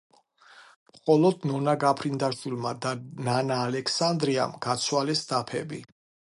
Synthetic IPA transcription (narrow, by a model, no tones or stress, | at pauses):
mχɔlɔd̪nɔnaɡapʰɾind̪aʃwilmad̪ananaːlɛkʰsand̪ɾia̰mɡ̥at̪sʰwalɛsd̪apʰɛ̰bi